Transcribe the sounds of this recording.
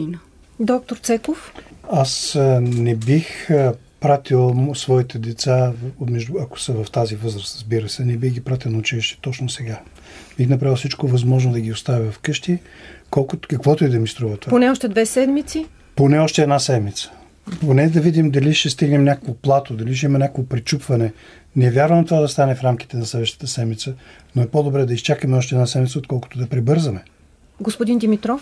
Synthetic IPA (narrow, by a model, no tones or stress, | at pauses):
n | d̪ɔk̚t̪oɾt̪sɛkofasnɛbix | pɾat̪ʰilˠsvɔit̪ɛd̪ɛt̪samɛʒd̪ʊɐko̥səvɐft̪azivɤzɾəsɾəzbiɾəsɛnɛbixɡʲipɾat̪ilˠnɐʊt͡ʃiliʃt̪ɛ̥t̪ɔt͡ʃnosɛɡa | bixnɐpɾavilˠsit͡ʃkovɐzmɔʒnod̪ɐɡʲiʊst̪avivɐfkɤʃt̪ikɔlˠkʊt̪kɐkvɔt̪oid̪ɐmist̪ɾuvɐt̪ovaponɛɔʃt̪ɛd̪vɛsɛd̪mit̪si | ponɛɔʃt̪ɛːd̪nasɛd̪mit̪sə̥ | ponɛd̪ɐvid̪imd̪ɐliʃɛst̪iɡnɛmnʲakəkvoplˠat̪od̪ɐliʃ̬ɛimɐnʲakəvopɾit͡ʃupvɐnɛ | nɛɛvʲjaɾvəmt̪ovad̪ɐst̪anɛfɾamk̟i̥t̪ɛnɐslɛd̪vəʃt̪ə̥t̪əsɛd̪mit̪sə | noɛpɔd̪obɾɛd̪ɐist͡ʃakəmɛɔʃt̪ɛd̪nasɛd̪mit̪səot̪̚kɔlˠkʊ̥t̪od̪ɐpɾibɤɾzəmɛ | ɡospʊd̪ind̪imit̪ɾɔf